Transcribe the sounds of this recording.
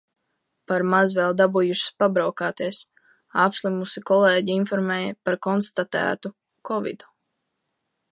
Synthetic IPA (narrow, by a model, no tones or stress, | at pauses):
paɾmazvɛlˠd̪abujuʃi̥spabɾawkaːt̪iɛs | apslˠimusikɔleːɟiinfɔɾmɛːjɐpaɾkɔnst̪at̪æ̰ːt̪u | kɔvḭd̪u